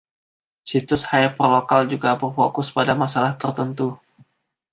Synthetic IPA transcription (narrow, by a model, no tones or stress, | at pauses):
sit̪ʊshajpərlokald͡ʒuɡabərfokʊspadamasalaht̪ərt̪ənt̪u